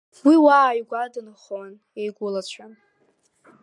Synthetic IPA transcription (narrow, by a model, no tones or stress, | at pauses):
wiwaːjɡʷadɨnχwan | ejɡʷʊlat͡ɕʷʰan